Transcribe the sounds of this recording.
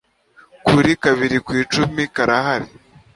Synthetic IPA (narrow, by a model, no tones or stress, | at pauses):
kuɾikaβiɾikwiːt͡ʃumikaɾaɦaɾi